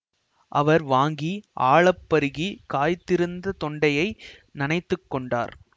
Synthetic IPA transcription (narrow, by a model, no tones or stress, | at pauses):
ʔɐʋɐɾʋaːŋɡiʔaːɭɐpːɐɾɯɣikaːjt̪ːɪɾɯnd̪ɐt̪ɔɳɖɐjɐɪ | nɪnɐɪt̪ːɯkːɔɳɖa̰ːɾ